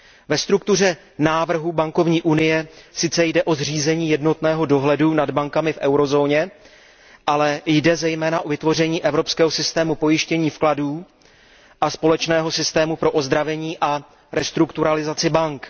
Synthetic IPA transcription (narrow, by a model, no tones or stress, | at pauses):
vɛst̪ɾuk̚t̪ur̝ɛ | naːvr̩ɦubaŋko̞vɲiːʔunɪjɛsɪt͡sɛjdɛʔo̞zr̝iːzɛɲiːjɛdno̞t̪nɛːɦo̞do̞ɦlɛdunadbaŋkamɪfʔɛwɾo̞zo̞ːɲɛ | ʔalɛjdɛzɛjmɛːnaʔo̞vɪt̪vo̞r̝ɛɲiːʔɛvɾo̞pskɛːɦo̞sɪst̪ɛːmupo̞jɪʃcɛɲiːfkladuː | ʔaspo̞lɛt͡ʃnɛːɦo̞sɪst̪ɛːmupɾo̞ʔo̞zd̪ɾavɛɲiːʔa | ɾɛst̪ɾukt̪uɾalɪzat͡sɪbaŋk